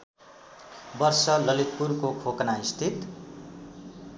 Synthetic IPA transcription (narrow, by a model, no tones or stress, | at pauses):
bʌrsʌlʌlit̪̚purkokʰoknaist̪ʰit̪